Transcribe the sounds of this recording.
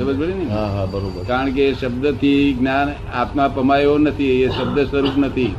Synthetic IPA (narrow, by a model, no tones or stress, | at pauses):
əbəd͡ʒbəɭiniɦaɦabəɾobəɾkaɾəɳkeʃəb̚d̪ət̪ʰiɡnan | a̰t̪mapəmajonət̪ʰieʃəb̚d̪əsʋəɾupnət̪ʰi